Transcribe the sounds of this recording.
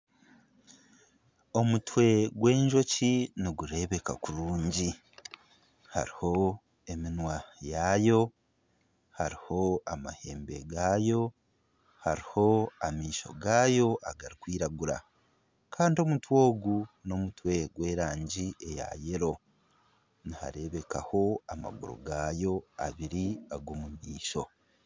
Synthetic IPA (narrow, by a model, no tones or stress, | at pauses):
o̞mutwe̞ɡwe̞ːɲʒo̞ciniɡuɾe̞βe̞ka̰kuɾuːɲɟi | ha̰ɾiho̞ | e̞minwajajo̞ | haɾiho̞ama̰he̞̰ːmbe̞̰ɡaːjo̞ | ha̰ɾiho̞amiːʃo̞̰ɡaːjo̞ʔaɡaɾikwiːɾaɡuɾa̰ | kʰaːndio̞mutwo̞ːɡuno̞mutwe̞ɡwe̞ːɾaːɲɟiʔe̞ja̰jeɾo̞ | niha̰ɾe̞βe̞kaho̞ama̰ɡuɾo̰ɡaːjo̞aβiɾiaɡomumiːʃo̞